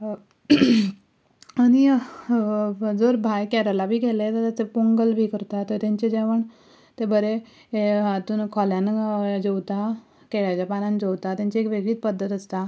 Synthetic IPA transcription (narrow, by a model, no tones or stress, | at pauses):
añi | d͡zoɾbʱajkɛɾəlabʱiːkelet̪ət̪at͡sepuŋɡəlbʱiːkəɾt̪at̪əɾt̪jãɲt͡ɕed͡ʑeʋəɳ | t̪ebəɾe | at̪uːnkʰɔljand͡ʑɔwt̪a | keɭat͡ɕjapanãnd͡ʑowt̪at̪jãɲt͡ɕeekʋeɡɭiːt̪pəd̪ʱːət̪əst̪a